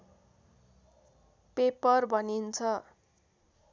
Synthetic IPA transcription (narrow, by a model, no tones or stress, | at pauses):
pepʌrbʱʌnint͡sʰʌ